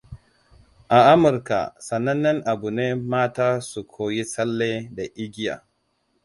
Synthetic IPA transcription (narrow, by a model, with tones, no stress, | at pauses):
ʔa˨ʔa˦mʊ˨ɾka̰˨sɐ˨nɐ˦nːɐ˦ŋʔa˨bu˨neː˦maː˦taː˦su˨kʷʰoː˦ji˦sɐ˦lːeː˦da˨ʔɪ˦ɡʲi˦ja̰˨